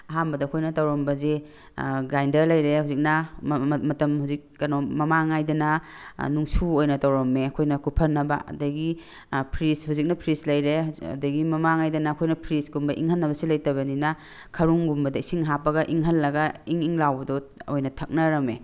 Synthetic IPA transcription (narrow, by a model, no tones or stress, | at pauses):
ɐɦambɐdɐkʰojnɐtawɾɔmbɐze | ɡajndɐɾlɐjɾehuzik̚nɐmɐtɐmhuzik̚ːɐnɔmɐmaŋajdɐnɐnuŋsuojnɐtawɾɔmeɐkʰojnɐkupʰɐnːɐba̰ɐ̰dɐɡi | pʰɾishuzik̚nɐpʰɾislɐjɾeɐ̰dɐɡimɐmaŋajdɐnakʰojnɐpʰɾisɡumbɐʔḭŋhɐnːɐbɐsilɐjtɐβɐnina | kʰɐɾuŋɡumbɐdɐisiŋɦapɐɡɐʔiŋɦɐlːɐɡaiŋiŋlawbɐdɔojnɐtʰɐk̚nɐɾɐme